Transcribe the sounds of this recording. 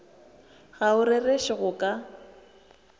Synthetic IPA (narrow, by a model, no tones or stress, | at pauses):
ɣaʊɾɪreʃɪɣʊkʼa